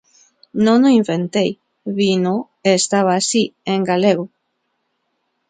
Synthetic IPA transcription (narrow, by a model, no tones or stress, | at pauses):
nõnoiɱfent̪ej | βino | eːst̪aβ̞aːsieŋɡaleɣo